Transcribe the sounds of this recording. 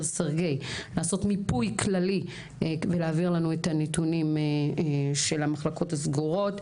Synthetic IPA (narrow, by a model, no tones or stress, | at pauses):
saʁɡe̞jlaːso̞tmipujkʰlali | veleaːviʁlanuetanetunim | ʃe̞lamaχlako̞tasɡuʁo̞t